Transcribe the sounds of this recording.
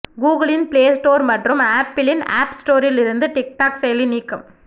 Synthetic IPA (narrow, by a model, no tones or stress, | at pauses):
ɡuːɡɐɭɪnpleːsʈoːɾmɐʈrɯmaːpːɪlɪna̰ːpsʈoːɾɪlɪɾɯnd̪ɯʈɪk̚ʈaːksɛjɐliniːkːɯm